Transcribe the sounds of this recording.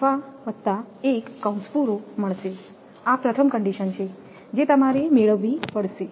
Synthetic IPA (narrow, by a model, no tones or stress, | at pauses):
aʋət̪ːaekːəw̃spuɾoməɭʃe | apɾət̪ʰəmkəɳɖiʃənt͡ʃʰe | d͡ʒet̪əmaɾemeɭəʋːipəɭʃe